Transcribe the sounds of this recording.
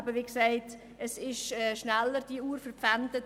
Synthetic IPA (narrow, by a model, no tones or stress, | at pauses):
bəʋiːksɛɪt | əsɪʃɛːʃnɛlːəɾd̥iuːɾfəɾpp͡fɛndət